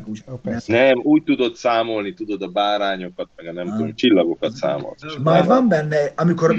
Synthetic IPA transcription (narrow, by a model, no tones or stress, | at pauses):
nɛmujt̪ud̪od̪saːmolnit̪ud̪od̪abaːɾaɲokat̪̚mɛɡanɛmkunt͡ʃilːaɡokat̪sa̰ːmo̰t̪mavambɛnːɛamikoɾ